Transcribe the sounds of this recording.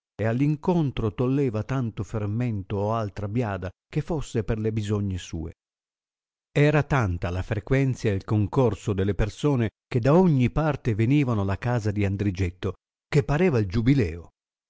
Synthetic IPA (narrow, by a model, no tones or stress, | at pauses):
ealːiŋkont̪ɾot̪olːɛːvat̪ant̪oferment̪oːalt̪ɾabjaːd̪akefːosːeperlebizoɲːesṵːḛ | ɛːɾat̪ant̪alafɾekwɛnt̪sjaelkoŋkorsod̪elːepersoːneked̪ːaoɲːipart̪eveniːvanolakaːzad̪iand̪ɾid͡ʒet̪ːo | kepːaɾeːvaild͡ʒubilɛːo